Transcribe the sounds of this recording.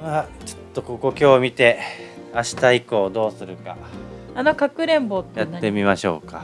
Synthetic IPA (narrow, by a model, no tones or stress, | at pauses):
mat͡ɕo̥t̪ːo̞ko̞ko̞kʲo̞ːmʲit̪e̞ | aɕi̥t̪aiko̞ːd̪o̞ːsɨɾɯ̟ka | ano̞kakɯ̟ɾẽ̞mboːjat̪ːe̞mʲimaɕo̞̰ːka